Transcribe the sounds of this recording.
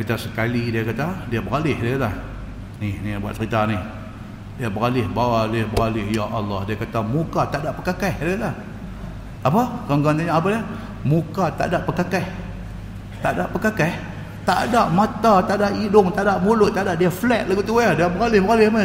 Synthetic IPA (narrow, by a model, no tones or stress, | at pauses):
kit̪asəkalidiakat̪adiabəɾalɪhdaalah | nɪhnibua̰t̪̚səɾit̪anɪh | diabəɾalɪhbaalɪhbəɾalɪhjaʔɑ̰lːɑhdiakat̪amukat̪aʔdaʔpəkakahdaalah | ʔapakaŋɡant̪aɲaʔapadia | mukat̪a̰ʔdaʔpəkakah | t̪aʔdaʔpəkakɛh | t̪a̰ʔdaʔmat̪at̪aʔdaʔidʊŋt̪aʔdaʔmulʊʔ̚t̪ːaʔdaʔdiaflɛʔ̪̚laɡut̪uadiabəɾalɪhbəɣalɪhmə